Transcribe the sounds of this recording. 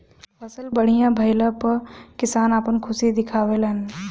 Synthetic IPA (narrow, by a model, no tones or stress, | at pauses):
pʰəsəlbəɽ̤ijãbʱəɪləpəkɪsaːnaːpənkʰʊsid̪ɪkʰaːʋeːlɦən